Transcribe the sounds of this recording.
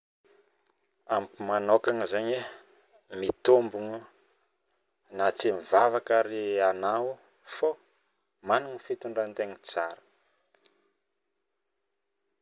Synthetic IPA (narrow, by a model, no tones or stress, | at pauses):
ampumanokaŋizeɲe | mit̪ombuŋu | nat͡simivavakaɾianawu | fo | manuŋifit̪uɳɖ͡ʐant̪eŋit͡saɾə̥